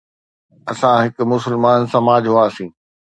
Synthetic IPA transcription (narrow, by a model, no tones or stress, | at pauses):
ɐsãɦɪkʊ̆mʊsɪlmaːnsɐmaːd͡ʑɦʊaːsĩː